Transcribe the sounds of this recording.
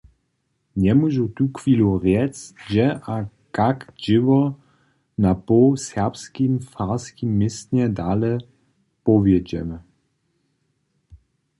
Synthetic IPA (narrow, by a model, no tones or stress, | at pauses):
ɲɛmuʒut̪ukfiluʁjɛt͡sʒɛʔa | kakʒɪvɔ | napɔsɛʁpskimfaʁskimːɪsɲɛdalɛ | pɔvjɛd͡ʑɛ̰mɛ